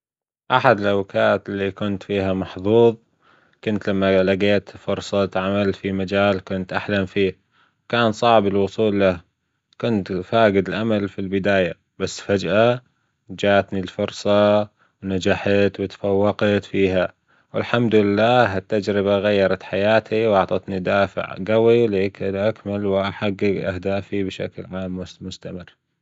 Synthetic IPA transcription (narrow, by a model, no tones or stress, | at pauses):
ʔaħad̪ɪlʔawkaːt̪ɪlːikʊnt̪fiːɦamɑħðˤuːðˤ | kʊnt̪lamːalaɡeːt̪fʊɾˤsˤɑt̪ʕamalfimad͡ʒaːlkʊnt̪ʔaħlamfiː | wkaːnsˤɑʕbɪlwʊsˤuːlːah | kʊnt̪faːɡɪd̪ɪlʔamalfilbɪd̪aːja | basːfad͡ʒʔa | d͡ʒaːʔt̪nilfʊɾsˤɑ | wnad͡ʒaħat̪wɪt̪fawːɑqɑt̪fiːɦa | wɪ̰lħamd̪lɪlːaːɦɪt̪ːad͡ʒɾɪbaɣajːɑɾˤɑt̪ħajaːt̪iwʔɑʕt̪ˤɑt̪nid̪aːfɪ̰ʕɡawiwleːkɪlʔakmalwʔaħaɡːɪɡʔa̰hd̪aːfibʃa̰klʕaːmːmʊst̪amɪrː